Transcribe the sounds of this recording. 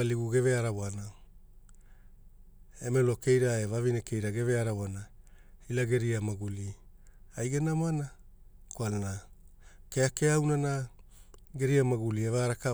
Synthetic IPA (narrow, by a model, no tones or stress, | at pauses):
aliɡuɡe̞veaɾawana | emelo̞ke̞jɾaevavineke̞jɾaɡe̞ve̞aɾaβoana | ilaɡe̞ɾiamaɡuli | ajɡenamana | koalana | keakeawnana | ɡe̞ɾiamaɡulievaːɾaka